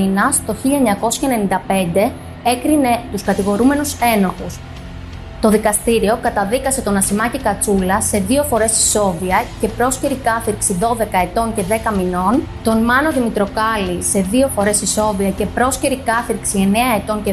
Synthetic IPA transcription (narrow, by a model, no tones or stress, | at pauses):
inɐst̪o̞çiʎɐeɲɐko̞sçɐene̞nind̪ɐpe̞nd̪e̞ | e̞kɾine̞t̪uskɐt̪iɣo̞ɾume̞nuse̞no̞xus | t̪o̞ðikɐst̪iɾio̞kɐt̪ɐðikɐse̞t̪o̞nɐsimɐcikɐt͡sulɐse̞ðio̞fo̞ɾe̞si̥so̞viɐce̞pɾo̞sceɾikɐθiɾksiðo̞ðe̞kɐe̞t̪o̞ɲce̞ðe̞kɐmino̞nt̪o̞nmɐno̞ðimit̪ɾo̞kɐlise̞ðio̞fo̞ɾe̞siso̞ðiɐce̞pɾo̞sce̞ɾikɐθiɾksie̞ne̞ɐe̞t̪o̞ɲce